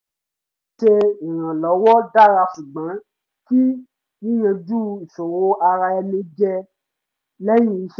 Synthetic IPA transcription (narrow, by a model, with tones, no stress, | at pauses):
ʃe˧ĩ˨ɾ̃ã˨lɔ˨˦wɔ˦da˦˨ɾa˧fu˨ɡ͡bã˨˦ | ki˦ | nĩ˦jã˧d͡ʒu˦i˨so˨ɾo˨˦ʔa˧ɾa˧ɛ˧mĩ˨˦d͡ʒɛ˧ | lɛ˦jĩ˦˨i˨˦ʃ